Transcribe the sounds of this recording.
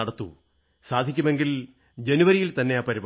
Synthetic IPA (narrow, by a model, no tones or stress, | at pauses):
ɐɽɐt̪ːṵ | saːd̪ʱikʲːume̞ŋɡil | d͡ʑe̞nuʋɐɾijilt̪ɐnːe̞aːpɐɾib